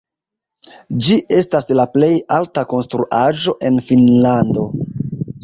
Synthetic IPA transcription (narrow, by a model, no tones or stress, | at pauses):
d͡ʒiʔe̞staslaple̞jaltako̞nstɾuʔaʒo̞ʔe̞nfinlando̞